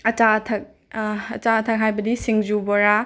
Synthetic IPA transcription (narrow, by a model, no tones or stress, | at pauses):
ɐt͡ʃatʰɐk̚ | ɐt͡ʃaɐtʰɐk̚ɦajbɐdisiŋzubɔɾa